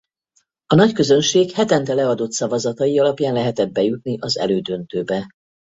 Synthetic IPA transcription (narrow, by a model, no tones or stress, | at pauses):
ɒnɒckø̞zø̞nʃeːkhɛt̪ɛnt̪ɛlɛɒd̪o̞t̪sɒvɒzɒt̪ɒjiɒlɒpjaːnlɛɦɛt̪ɛd̪̚bɛjut̪niʔɒzɛ̰løːd̪ø̞nt̪øːbɛ